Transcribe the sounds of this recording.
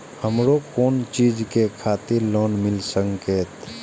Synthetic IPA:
həmɾokoːnt͡ʃiːd͡ʒkekʰaːt̪iɾlɔːnmɪlsə̃ŋkeːt̪

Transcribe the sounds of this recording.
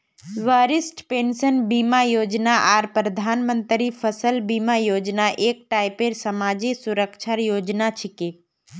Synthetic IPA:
ʋaːɾɪsʈpeːnsənbiːmajoːd͡ʒnaʔaːɾpɾəd̪ʱaːnmə̃nt̪ɾipʰəsəlbiːmajoːd͡ʒnaʔeːk̚ʈaːɪpeɾsəmaːd͡ʒisʊɾəkʃʰaɾjoːd͡ʒnat͡ʃʰɪke

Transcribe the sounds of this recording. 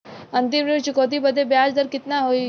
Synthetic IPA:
ənt̪ɪmɾit͡ʃikod̪ibəd̪ʱːebjad͡zd̪əɾkɪt̪naɦoi

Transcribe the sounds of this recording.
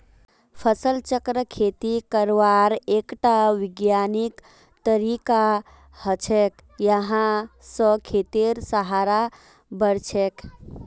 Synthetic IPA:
pʰəsəlt͡ʃəkɾəkʰet̪ikəɾʋaɾekʈaʋiɡjanik | t̪əɾika | hət͡ʃʰek | jəɦãsə̃kʰet̪iɾsəɦaɾa | bəɾt͡ʃʰek

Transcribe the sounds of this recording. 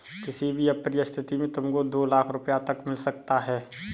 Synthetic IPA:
kɪsibʱiəpːɾijəst̪ʰɪt̪imẽt̪ʊmkod̪oːlaːkʰɾʊpjat̪ɐkmɪlsɐkt̪aɦɛː

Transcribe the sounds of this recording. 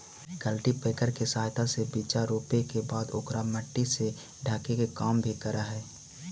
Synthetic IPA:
kəlʈipeːkəɾkesaːɦt̪ʰasebit͡ʃaɾoːpekebaːd̪oːkɾaməʈːise | ɖʱaːkekekaːmbʱikəɾaɦɛː

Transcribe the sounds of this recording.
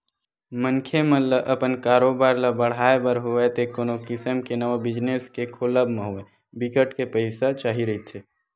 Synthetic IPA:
mənkʰemə̃ləʔəpənkaːɾoːbaːɾləbəɽ̤aːebəɾɦoet̪ʰekoːnokɪsəmkenəʋabɪd͡ʒneskekʰoləbmẽɦoe | bɪkəʈkepəɪsat͡ʃaːɦiɾəɦit̪ʰeː

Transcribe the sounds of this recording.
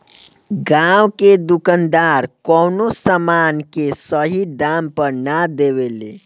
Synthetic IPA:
ɡãwked̪ukənd̪aɾkɔwnosamankesəɦid̪ampəɾnad̪ewelḛ

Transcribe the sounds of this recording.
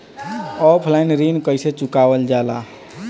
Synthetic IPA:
ɔpʰlaɪnɾinkəjset͡ʃukabəld͡ʒala̰

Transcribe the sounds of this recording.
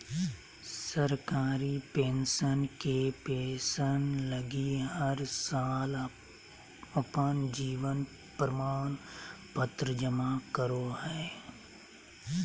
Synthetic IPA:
səɾkaːɾipẽːnʃənkepeːʃənləɡiɦəɾsaːl | əpənd͡ʒiːʋən | pɾəmaːnpət̪ɾəd͡ʒəmakəɾohɛː

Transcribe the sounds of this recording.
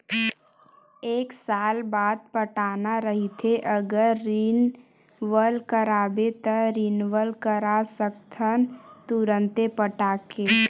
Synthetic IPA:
eːksaːlbaːd̪̚pəʈaːnaɾəɦit̪ʰeʔəɡəɾːin | ʋəlkəɾaːbet̪əɾinʋəlkəɾasəkt̪ʰənt̪uɾə̃nt̪epəʈaːke

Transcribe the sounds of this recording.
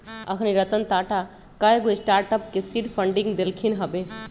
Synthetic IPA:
ə̰kʰniɾət̪ənt̪aʈa | kaeɡoesʈaɾʈəpkesiʈpʰəɳɖĩŋɡd̪elkʰinɦəbe

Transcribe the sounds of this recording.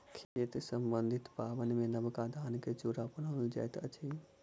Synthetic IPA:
kʰet̪səmbənd̪ʱit̪baːbənmẽnəbkad̪ʱaːnket͡ʃuɾapənəld͡ʒa̰jt̪ə̰t͡ʃʰi

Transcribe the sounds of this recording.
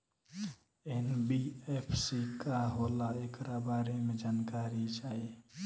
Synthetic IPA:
enbiepʰsikaɦolaekɾabaɾemed͡ʒankaɾid͡ʒae

